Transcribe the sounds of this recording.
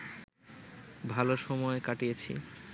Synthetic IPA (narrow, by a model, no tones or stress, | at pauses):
bʱaloʃɔmɔekaʈijet͡ɕʰḭ